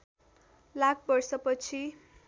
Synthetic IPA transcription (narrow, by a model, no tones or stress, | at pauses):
lakʰbʌrsʌpʌt͡sʰi